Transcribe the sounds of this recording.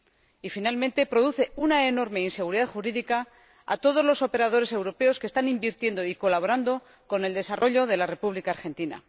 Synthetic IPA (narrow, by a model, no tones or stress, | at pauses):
ifinalmẽ̞nt̪e̞pɾo̞ðuθe̞unaeno̞ɾme̞inse̞ɣ̞uɾiðaθxuɾiðika | a̰t̪o̞ð̞o̞zlo̞so̞pe̞ɾað̞o̞ɾe̞se̞wɾo̞pe̞o̞skest̪animbiɾt̪je̞nd̪oiko̞laβ̞o̞ɾand̪o̞ | ko̞ne̞ld̪e̞sarʔo̞ʎo̞ðe̞lare̞puβlikaːɾxe̞nt̪ina̰